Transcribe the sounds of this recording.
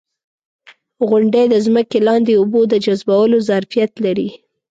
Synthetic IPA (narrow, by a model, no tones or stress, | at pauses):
ɣʊɳɖəjd̪əzməkelɑnd̪eubod̪əd͡ʒazbawəlozaɾfijat̪laɾi